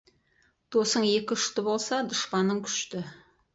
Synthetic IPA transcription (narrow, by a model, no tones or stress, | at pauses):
d̪̥o̞səɴe̞kʲɪɪʃt̪ɪbo̞lˠsɑd̪ʊʃpɑnːəɴkʲʰʏ̥ʃt̪ɪ